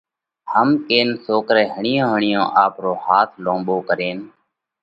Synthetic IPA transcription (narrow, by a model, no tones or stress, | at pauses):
həmkeːnsoːkɾɛːɦəɳɪjõːɦəɳɪjõːʔaːpɾoːhaːt̪ʰlõːmɓoːkəɾeːn